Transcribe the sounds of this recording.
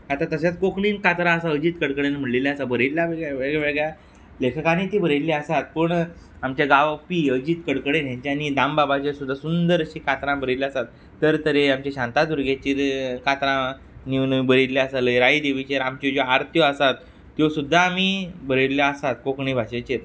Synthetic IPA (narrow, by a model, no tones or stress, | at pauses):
at̪at̪əs̬jat͡skokɳinkat̪ɾãəsaəd͡ʑiːt̪kəɽkəɽenm̤əʈleljasabəɾeljaʋeɡɭʋeɡɭaʋeɡɭja | lekʰəkaniːt̪iːbəɾellːeasat̪̚pəɳ | amt͡ɕaɡaʋpiəd͡ʑiːt̪kəɽkəɽenjãɲt͡ɕjanid̪ambabat͡ɕesud̪ʱːasund̪əɾɕiːkat̪ɾãbəɾilasat̪ːəɾt̪əɾeamt͡ɕaɕãnt̪at̪uɾɡʱet͡ɕiːɾkat̪ɾã | ninəibəɾellːeasaləjɾaid̪eʋit͡ɕeɾamt͡ɕod͡ʑoaɾt̪ʰjɔəsat̪ː | josud̪ʱːaːmibəɾelːjaəsat̪̚kokɳiːbʱaɕet͡ɕiːɾ